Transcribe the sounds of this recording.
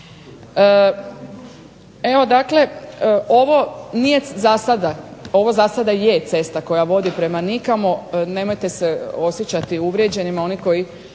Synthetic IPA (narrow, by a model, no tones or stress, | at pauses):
ə | e̞ʋo̞d̪akle̞ʔo̞ʋo̞nije̞zasad̪ao̞ʋo̞zasad̪ajet̪se̞st̪ako̞jaʋo̞d̪ipɾe̞manikamone̞mo̞jt̪eseo̞sjet͡ɕat̪iuʋɾʲjed͡ʑe̞nimao̞niko̞ji